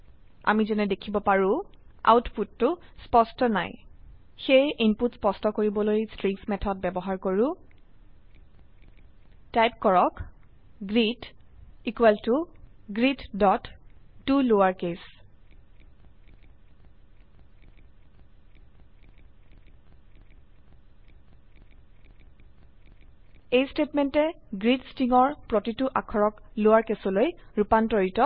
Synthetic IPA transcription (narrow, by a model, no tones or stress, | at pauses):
a̰mizɛnɛdekʰibɔpaɹʊ̃a̰wtputːʊspɔstɔna̰j | xejʔinputspɔstɔkoɹibɔlojstɹiŋsmɛtʰɔd̚bɛbɔɦaɹkoɹʊ̃ | tajp̚kɔɹɔk | ɡɹitikwɛltuɡɹitdɔtdulowaɹkes | ejstetmɛntɛɡɹitstiŋɔɹpɹɔtituʔakʰɔɹɔklowaɹkesɔlojɹupantɔɹitɔ